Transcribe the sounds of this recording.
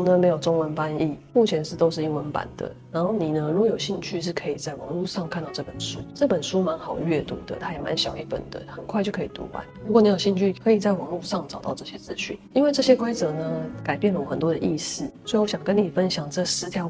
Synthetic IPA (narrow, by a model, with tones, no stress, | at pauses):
nə˦me˧˥ɪjo˨˩ʊʈ͡ʂʊ˥ŋwə˧˦npa˦ni˥˩mu˥˩t͡ɕʰjɛ˧˦nʂɻ̩˥˩t̪o˥ʊʂɻ̩˥˩i˧˥ŋwə˧˦npa̰˨˩nd̪ə̰˦na˧˦˥nxo˥˩ʊni˨˩nə˦lu˥˦jo˨˩ʊɕi˥˧nt͡ɕʰy˥˧ʂɻ̩˥˩kʰɤ˧˥i˨˩t͡sa˥˩ɪwɑ˧˥ŋlu˥˧ʂɑ˥˧ŋkʰa˥˧nt̪ɑ˥˧ʊʈ͡ʂɤ˥˩pə˨˩nʂu˥ʈ͡ʂɤ˥˩pə˨˩nʂu˥ma˧˦˥nxɑ˨˩ʊɥɛ˥˩t̪ṵ˧˥d̪ə̰˨˦t̪ʰa˥jɛ˨˩ma̰˧˦nɕjɑ˨˩ʊi˥˩pə̰˨˩nd̪ə̰˦t̪ʰa˥˨˩kʰwa˥˧t͡ɕjo˥˩ʊkʰɤ˧˥i˨˩t̪ṵ˧˥a̰˨˦nu˧˥kɔ˨˩˦ni˧˥jo˨˩ɕi˥˧t͡ɕʰy˥˩kʰɤ˧˥i˨˩t͡sa˥˩ɪwɑ˧˥ŋlu˥˧ʂɑ˥˩ŋʈ͡ʂɑ˨˩ʊt̪ɑ˥˧ʊʈ͡ʂɤ˥˩ɕjɛ˥t͡sɹ̩˥˧ɕy̰˥˩ni˥nwe˥˧ʈ͡ʂɤ˥˩ɕjɛ˥kʰwa˥ɪt͡sɤ˨˦nə˧ka˨˩ɪpjnlə˧˩˨xə˨˩nt̪wɔ˦d̪ə˨ʔi˥˧sɹ̩˥˩swɔ˧˥i˨wɔ˦˩ɕjɑ˨˩ŋkə˦ni˨˩fə˦nɕjɑ˨˩ŋʈ͡ʂɤ˥˩sɹ̩˥t̪ʰjɑ˧˦ʊ